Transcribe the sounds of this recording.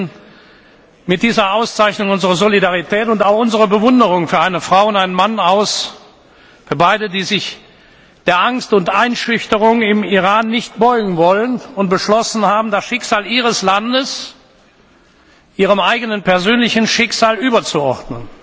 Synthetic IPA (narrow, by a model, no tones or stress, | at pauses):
mɪt̚d̥iːzɐaʊst͡saɪçnʊŋʊnzəʁɐzolidaʁitʰɛːtʊntaʊxʔʊnzəʁəbəvʊndəʁʊŋfyːɐʔaɪnəfʁ̥aʊʊntaɪnənmanaʊs | fyːɐbaɪdədiːzɪç | d̥eːɐʔaŋstʊntʔaɪnʃʏçtəʁʊŋɪmiʁaːnːɪçt̚b̥ɔʏɡŋ̩vɔlənʊnt̚b̥əʃlɔsn̩haːbm̩dasʃɪkz̥aːliːʁ̞əslandəs | ʔiːʁ̞əmʔaɪɡənənpʰɛɐzøːnlɪçn̩ʃɪkz̥aːlʔyːbɐt͡suɔʁdnən